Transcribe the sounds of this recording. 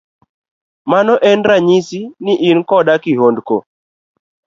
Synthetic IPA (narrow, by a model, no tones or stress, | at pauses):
manɔʔɛnɾaɲisinɪʔinkɔdakiɦondko̰